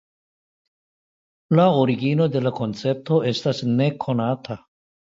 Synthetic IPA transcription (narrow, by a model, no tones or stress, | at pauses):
laoɾiɡino̞de̞lako̞nt͡se̞p̚to̞e̞stasne̞kʰo̞natʰa